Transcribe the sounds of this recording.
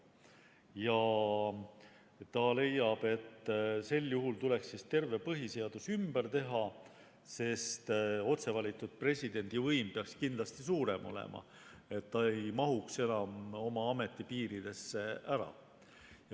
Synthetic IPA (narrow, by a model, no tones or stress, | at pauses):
jɑ | t̪ɑle̞jːɑb̥e̞t̪ːse̞lːjuɦult̪ule̞ksːist̪e̞rve̞pɤɦise̞ɑd̪̥usymbəɾt̪e̞ɦɑ | se̞st̪o̞t̪se̞vɑlʲit̪ːˑud̪̥̚pre̞sʲid̪e̞nʲd̪̥ivɤjmpeɑkskind̪lɑst̪isuːɾe̞mʔo̞̰lɛ̰mʔɑ̰ | e̞t̪ːɑejmɑɦukse̞nɑmo̞mɑɑme̞t̪ːˑipiːɾid̪̥e̞sːe̞æɾɑ̰ | j